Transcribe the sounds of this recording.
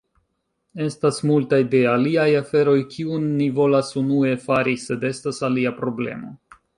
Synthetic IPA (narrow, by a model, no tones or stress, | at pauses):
e̞stasmultajde̞aliajafe̞ɾo̞jkʰiunːivo̞lasunue̞faɾise̞de̞stasaliapɾo̞ble̞̰mo̞̰